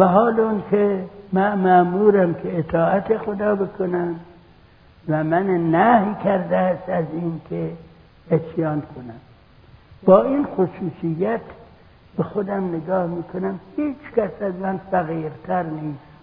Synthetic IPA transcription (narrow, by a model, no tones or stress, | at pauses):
væɦɒːleunkʰemæmæʔmuːɾæmkʰeːt̪ʰɒːæt̪ʰexod̪ɒːbekʰonæm | væmænnːæhjkʲʰæɾd̪æːst̪æziːnkʲʰe | esjɑːnkʰonæm | b̥ɒːiːnxosuːsijːæt̪ | b̥exod̪æmneɡɒːhmiːkʰonæmhiːt͡ʃkʲæsæzmænfæɣiːɾt̪ʰæɾniːs